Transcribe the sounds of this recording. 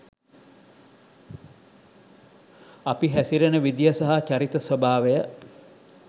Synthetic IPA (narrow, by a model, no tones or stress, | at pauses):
apiɦæsiɾenəʋid̪ijəsaɦat͡ʃaɾit̪əsʋɐbaːʋejə